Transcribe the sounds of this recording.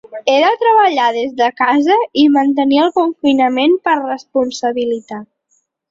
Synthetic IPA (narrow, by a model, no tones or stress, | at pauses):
eðət̪ɾəβəʎaðezðəkazəimənt̪əniəlˠkuɱfinəmenpərrəspunsəβilit̪at̪